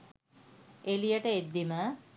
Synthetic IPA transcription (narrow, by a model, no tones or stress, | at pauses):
elijəʈəed̪ːimə